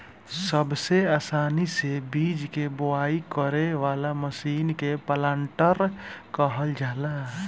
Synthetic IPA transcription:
səbseaːsaːnisebiːd͡ʒkebʊaːikəɾeʋaːlaməʃiːnkepəlãːɳʈəɾkəɦəld͡ʒaːlaː

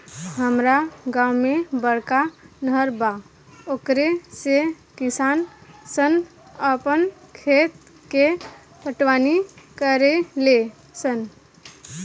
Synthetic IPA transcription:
ɦəmɾaɡãwmebəɽkanəɾba | okɾese | kisansən | əpənkʰet̪ | ke | pəʈʋanikəɾele | sən

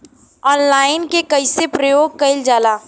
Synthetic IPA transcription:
ɔːnlaːɪnkekəɪsepɾəjoːɡ̚kəɪld͡ʒaːlaː

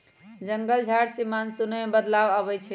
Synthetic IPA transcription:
d͡ʒəŋɡəld͡ʒʱaɽsimansunəbəd̪laʋəβɛjt͡ʃʰi

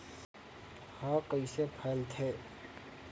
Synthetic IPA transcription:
hãːkəisepʰəlt̪ʰeː

